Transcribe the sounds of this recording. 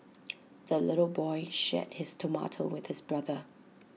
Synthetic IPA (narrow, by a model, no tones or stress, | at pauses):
ðəlɪɾl̩ˠbɔɪʃɛ̰t̚hɪstʰəma̰tʰə̰wɪð̥hɪsbɹʌðə